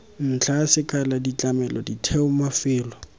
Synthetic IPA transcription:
n̩t͡ɬʰasɪkʰʼaladit͡ɬʼamɛlɔditʰɛʊmafɪːlɔ

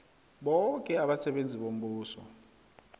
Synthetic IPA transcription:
ɓɔŋkʼɛaɓasɛɓend͡zʱiɓom̩ɓuːsɔ̰

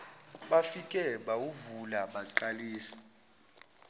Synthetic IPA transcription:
ɓafikʼɛɓauvulamaǃaliːsi̥

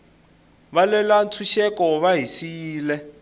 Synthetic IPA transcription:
βalɛlant͡sʰuʃɛkɔβaɦisiːlɛ

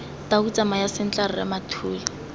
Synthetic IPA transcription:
taut͡sʼamajasɪn̩t͡ɬʼarrɛ̰matʰuːlɪ

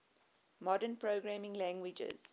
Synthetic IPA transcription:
mɔdə̃npɹoːɡɹæmɪ̃ŋlæ̃ŋɡwɪd͡ʒə̰z̥

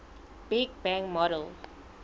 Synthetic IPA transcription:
b̥iɡ̚bɛ̃ŋmɔɾəl

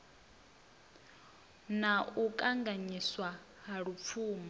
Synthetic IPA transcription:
naukʼaŋɡaɲiswa | ɦaɺup̪fʰuːma

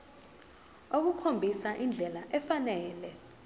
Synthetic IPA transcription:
ok̬ukʰombʱisaʔind͡ɮʱɛlaʔɛfanɛːlɛ

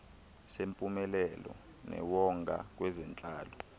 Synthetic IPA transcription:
sempʼumɛlɛlɔ̰ | nɛ̰wɔŋɡʱa̰k̬wɛzɛnt͡ɬʼaːlɔ

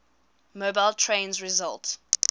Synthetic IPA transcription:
mobaɪlˠtʰɹẽnzɹizalˠt

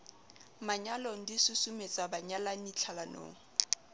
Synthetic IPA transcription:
maɲalɔŋ̩disusumet͡sʼabaɲalanit͡ɬʰalano̰ːŋ̩

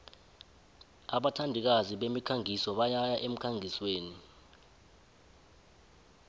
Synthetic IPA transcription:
aɓatʰandʱik̬aziɓemikʰaŋʱisɔɓajajaʔem̩kʰaŋʱisweːni

